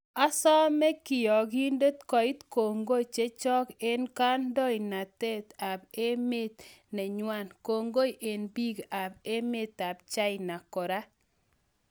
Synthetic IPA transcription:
a˦sɔ˦mɛ˦kɪ˨jɔ˨ɡi˦ndo˦t̪kɔ˨ɪ˦t̪ko˨ŋɡo˦t͡ʃe˦t͡ʃɔ˦ke˦nka˦ndɔ˦ɪ˨na˨t̪e˦t̪a˨be˦me˦t̪nɛ˨ɲwa˦˨nko˨ŋɡo˦jʔe˨nbi˦ɡa˨be˦me˦t̪a˨b̚t͡ʃa˦ɪna˨kɔ˨ɾa˦

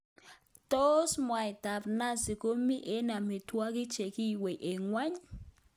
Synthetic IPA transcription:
t̪o˦smwa˨jt̪a˨pna˦si˨ko˦mi˦ʔe˦na˨mi˨t̪wa˦ki˦t͡ʃe˨ki˦we˨ʔe˨ŋwa˦ɲ

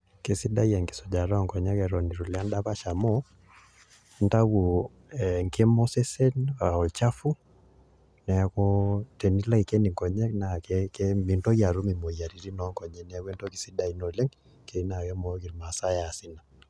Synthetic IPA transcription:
ke˨si˦da˦ja˨ŋki̥˨sɔ˨d͡ʒa˨ɾɔ˦˨ŋkɔ˨ɲa˦kɛ˨ɾɔ˨ni˨ɾu˨la˦nda˦pa˦ʃa˨mɔ˦ | nta˦wu˨ | ɛ˨ŋke˦mɔ˦sɛ˦sɛ˦na˨ɔ˨lt͡ʃa˦fu˦ | nɛ˨kɔ˦te˨ni˦la˦ki˨ke˦ni˨ŋkɔ˨ɲɛ˦kna˨kɛkɛmi˨ntɔ˦ja˨ɾu˦mi˨mo˨ja˨ɾi˨ɾi˦nɔ˦ŋkɔ˨ɲɛ˦nɛ˨˦we˦nto˦ki˨si˦da˨i˨˦nɔ˨le˦ŋ | ke˨˦na˨kɛ˦mɔ˦ki˨ɾma˨sa˦ja˨si˦na˨

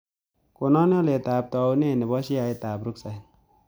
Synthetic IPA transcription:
ko˨nɔ˦n˦ɔ˦le˨taː˨p̚tɔ˨wne˦˨ne˨bɔ˦ʃi˦a˨jtaː˨pɾu˦k̚sa˨j

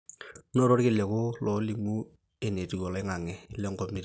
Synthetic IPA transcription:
no˦˨ɾo˦ɾkɪ˦lɛ˨kʊ˦lɔ˨˦li˦mu˦ | e˨ne˨ti˨ɡɔ˨lɪ˦ŋa˨ŋɛ˨ɪ˦lɛ˦ŋɡɔ˦mi˦ɾ

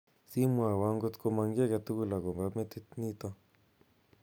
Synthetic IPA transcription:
si˦mwa˨wa˦ŋɡo˦t̪ko˦ma˧ŋɡi˦a˦ka˨t̪u˦ku˦la˨kɔ˨mba˦mɛ˦t̪e˦tni˦t̪a˦

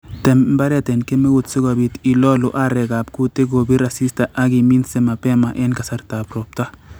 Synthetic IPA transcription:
tɛ˨mm˦ba˦ɾɛ˦tɛ˨nke˦me˦ɡutsɪ˦ɡo˨bi˨ti˨lɔ˦luʔa˦ɾɛ˨ɡa˨p̚ku˦te˦ɡo˨bi˦ɾa˨si˦sta˨ʔa˦ɡimi˦nse˦ma˨pɛ˦ma˨ʔɛ˦nka˨sa˦ɾta˨pɾo˨p̚ta˦

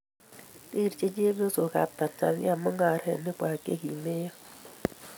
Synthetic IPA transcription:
i˦˨ɾt͡ʃe˦d͡ʒe˦bo˦so˨ka̰˨ta˨ta̰˨βja˦˨mʊ˦ŋa˨ɾɛ̰˨nɪ˦kʷa˨kḛ˦ki˨me˦ja˦

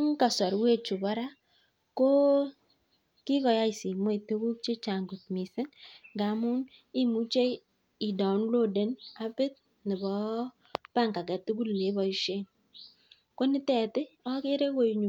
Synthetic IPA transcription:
ŋ˦ka˨sɔ˨ɾwe˦t͡ʃu˨ba˦ɾa˦ | ko˦ | kɪ˦kɔ˨ja˦i˨si˨mo˦i˨tu˦ku˦k̚t͡ʃe˦t͡ʃa˨ŋɡu˨tmi˨sɪ˦nŋɡa˨˦mu˦ni˦mu˦t͡ʃe˦ | i˨dɔ˨n˦lo˦de˨na˦bɪ˦t̚ | nɪ˨bɔ˨˦ | pa˦˨ŋka˨kɛ˨tu˦ku˦lle˨˦bɔ˨i˦ʃe˦n | ko˦nɪ˦tɛ˨tɪ˦ɔ˦kɪ˦ɾe˦wo˦˨ɲu˨

